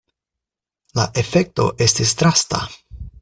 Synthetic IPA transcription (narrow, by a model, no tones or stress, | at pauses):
laʔe̞fe̞k̚to̞̰ʔe̞stistɾasta̰